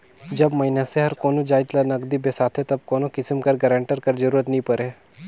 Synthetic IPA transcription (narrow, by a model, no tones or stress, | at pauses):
d͡ʒɐbmɐinaseɦɐɾkoːnod͡ʒaːɪt̪lanɐɡd̪ibesaːt̪ʰet̪ɐb̚koːnokɪsəmkɐɾɡəɾə̃ɳʈəɾkɐɾd͡ʒəɾuːɾət̪nĩpɐɾe